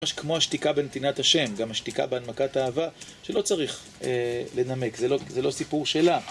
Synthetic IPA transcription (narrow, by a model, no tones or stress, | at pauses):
aʃkmo̞haʃt̪ikabe̞net̪inat̪haʃe̞mɡamhaʃt̪ika̰beanmakataːvaʃe̞lo̞t͡saʁiχ | ele̞name̞kzelozelo̞sipuʁʃe̞la